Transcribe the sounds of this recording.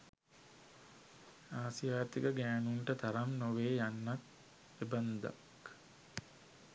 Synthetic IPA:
aːsijaːt̪ikəɡæːnuɳʈət̪aɾamnoʋeːjanːat̪ | eband̪a̰k

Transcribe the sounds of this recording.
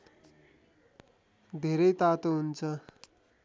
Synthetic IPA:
d̪ʱeɾʌjt̪at̪oɦunt͡sʰʌ

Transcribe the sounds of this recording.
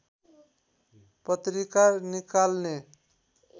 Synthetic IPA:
pʌt̪ɾikaɾnikalne

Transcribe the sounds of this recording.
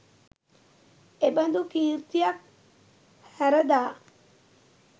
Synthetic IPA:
eband̪ukiɾt̪iak̚ | hɛɾəd̪aː

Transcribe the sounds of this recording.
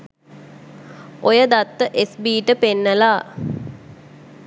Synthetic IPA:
ojəd̪at̪ːəʔesbiːʈəpenːəlaː

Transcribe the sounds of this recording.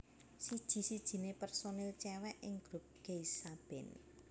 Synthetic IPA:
sid̥ʒ̥i̤sid̥ʒ̥i̤nepɛrsonɛlt͡ʃɛwɛʔɪŋɡ̥ɾup̚ɡ̥eisab̥ɛn

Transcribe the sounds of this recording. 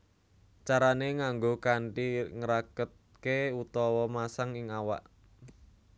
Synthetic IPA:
t͡ʃaɾaneŋaŋɡokaɳʈiŋəɾakət̪̚keut̪ɔwɔmasaŋɪŋawa̰ʔ

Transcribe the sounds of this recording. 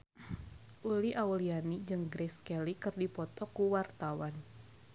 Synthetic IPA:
ʔuliʔaulianid͡ʒɨŋɡɾɛskɛlikɨrdipɔt̪ɔkuwart̪awan

